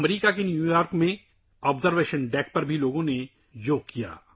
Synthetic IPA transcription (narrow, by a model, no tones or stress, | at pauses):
mɾiːkakenjuːjaːɾkmẽ | ɔːbzəɾʋeːʃənɖɛːk̚pɐɾbʱiloːɡõne | joːkːija̰ː